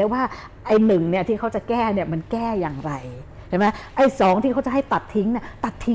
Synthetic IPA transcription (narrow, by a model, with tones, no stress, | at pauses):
ɛ˦˥waː˥˩ | ʔa˧˩jnɯ˨˩ŋni˥˩ɐt̪ʰiː˥˩kʰa˦˥wt͡ɕa˨˩kɛː˥˩ni˥˩ɐma˧nkɛː˥˩jaː˨˩ŋɾa˧j | t͡ɕʰa˨˩˦ma˦˥jʔa˧˩jsɔː˩˦ŋt̪ʰiː˥˩a˦˥wt͡ɕa˨˩ɦa˥˩jt̪a˨˩t̪ʰːi˦˥ŋni˥ɐt̪a˨˩t̪ʰːi˦